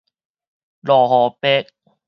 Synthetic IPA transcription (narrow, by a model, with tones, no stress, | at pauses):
lɔː˨˩ɦɔː˨˦pe˦˥k̚